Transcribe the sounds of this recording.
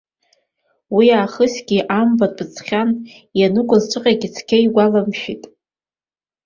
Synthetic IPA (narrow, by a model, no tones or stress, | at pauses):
wiaːχəsɡʲiʔambabɨt͡sʰχʲan | janɨkʷʼʊzʈ͡ʂʷʰʼɨqʲʼaɡʲit͡sʰkʲʰejɡʷalamʃᶣitʼ